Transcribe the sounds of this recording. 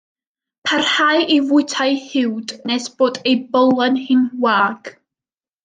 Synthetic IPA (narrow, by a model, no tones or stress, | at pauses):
pʰarhajʔivʊɨtʰajhɪwdnesb̥oːdejbɔlˠanhɪnwaːɡ̥